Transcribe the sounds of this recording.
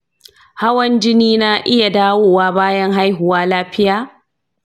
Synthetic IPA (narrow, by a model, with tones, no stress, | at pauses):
ha˦wɐ˦nd͡ʒɪ˦niː˦na˦ʔɪ˦ja˨daː˦woː˦˨waː˦baː˦jɐ˦ŋɦa˦jɦʊ˨waː˦laː˦ɸɪ˦jaː˦